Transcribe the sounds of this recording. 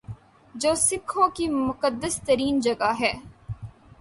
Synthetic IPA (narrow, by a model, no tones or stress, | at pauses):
d͡ʒoːsɪkʰːõːkimʊkəd̪ːəst̪əɾiːnd͡ʒɐɡaɦɛː